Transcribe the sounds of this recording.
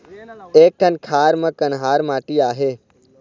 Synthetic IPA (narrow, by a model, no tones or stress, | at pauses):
eːk̚ʈʰənkʰaːɾmɐ̃kənɦaːɾmaːʈiːaːɦeː